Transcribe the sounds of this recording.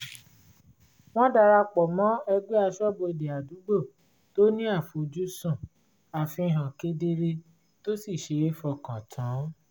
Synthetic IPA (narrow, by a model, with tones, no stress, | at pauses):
w̃ɔ̃˦da˧ɾa˧k͡pɔ˨mɔ̃˨˦ɛ˧ɡ͡be˦a˧ʃɔ˦bo˧˨de˨a˨du˨˦ɡ͡bo˦˨ | to˦nĩ˦a˦˨fo˨d͡ʒu˦sũ˦˨ | a˨fĩ˧ɦã˨ke˨˦de˦ɾe˧ | to˦si˦˨ʃe˧e˦fɔ˧˨kã˨tʰã˨˦